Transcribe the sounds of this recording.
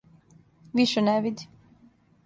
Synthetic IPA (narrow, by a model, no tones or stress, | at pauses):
ʋiʃeneʋid̪i̥